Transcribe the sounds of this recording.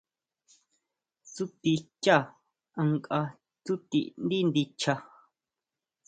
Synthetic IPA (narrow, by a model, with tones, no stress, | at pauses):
su˦t̪i˧t͡ʃa˦˨ | a˧ŋkʼa˧ | t͡su˦t̪i˧nd̪i˦nd̪i˧t͡ʃʰa˧